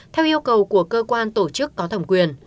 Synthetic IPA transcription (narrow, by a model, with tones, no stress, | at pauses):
t̪ʰɛ˧wʔi˧əwkə˨˩wku˧˩əkəː˧kwaː˧nt̪o˧˩t͡ɕɨ˦˥kːɔ˨˦t̪ʰə˧˩mŋ͡mkwi˨˩ən